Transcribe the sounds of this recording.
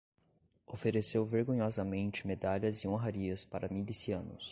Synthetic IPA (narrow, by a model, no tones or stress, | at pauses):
ofeɾesewveɾɡõɲɔzɐmẽnt͡ʃɪmed̪aʎɐzɪõɦaɾiɐspaɾɐmilisiɐ̃nʊ̰s